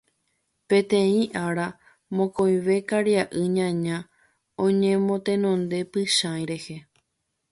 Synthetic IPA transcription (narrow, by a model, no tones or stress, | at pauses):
pẽ̞t̪ẽ̞ĩʔaɾa | mõ̞koj̃ʋe̞kaɾjaʔɨɲãɲã | õɲẽmõ̞t̪ẽ̞nõ̞nd̪e̞pɨʃãj̃ɾe̞he̞